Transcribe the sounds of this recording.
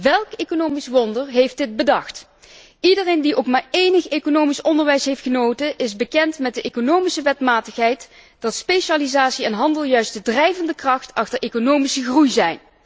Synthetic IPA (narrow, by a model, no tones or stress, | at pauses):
ʋɛlˠkekonowmisʋɔndəɹɦejfdɪt̚bədɑxt | idərejndiʔowkmaːɹejnəxekonowmisɔndəɹʋɛjsɦejftχənowtəʔɪzbəkɛntmɛt̚dəʔejkonowmisəʋɛtmaːtəxɦɛjt | d̥ɑtspejʃaːlizaːtsiɛnɦɑndəlˠjœɥstdədrɛjvəndəkrɑxtɑxtəɹʔejkonowmisəɣrujzɛjn